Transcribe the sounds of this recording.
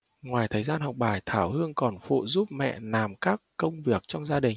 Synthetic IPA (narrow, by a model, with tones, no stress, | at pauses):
ŋwaː˨˩jt̪ʰəː˨˩jzaː˧nhɔ˨˩wk͡p̚ɓaː˧˩jt̪ʰaː˧˩whɨ˧əŋkɔ˨˩nfṵ˧˨zu˦˥p̚mɛ̰˧˨naː˨˩mkaː˦˥kːə˧wŋ͡mvi˨˩ək̚t͡ɕɔ˧wŋ͡mzaː˧ɗï˨˩ŋ̟